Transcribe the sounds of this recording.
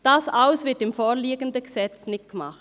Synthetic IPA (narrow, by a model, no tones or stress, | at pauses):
d̥ɑsaʊsv̥ɪɐtɪmfoːliːɡəndəɡəsɛt͡snɪt̚ɡ̥əmɑ̰χt